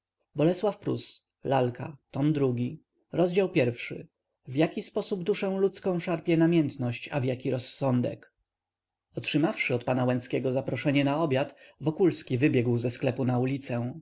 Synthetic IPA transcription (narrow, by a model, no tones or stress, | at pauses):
bɔlɛswafpɾṵs | lalkat̪ɔmd̪ɾuɡʲi | ɾɔzd͡ʑawpʲjɛɾfʂɘ̰ | vjakʲispɔsubd̪uʂɛ̃w̃lut̪skɔ̃w̃ʂaɾpʲjɛnamʲjɛnt̪nɔɕt͡ɕa̰vjakʲiɾɔsːɔnd̪ɛ̰k | ɔtʂɘmafʂɘɔt̪panawɛnskʲɛɡɔzapɾɔʂɛɲɛnaɔbʲjat̪vɔkulskʲivɘbʲjɛɡwzɛsklɛpunaulʲit̪sɛ̃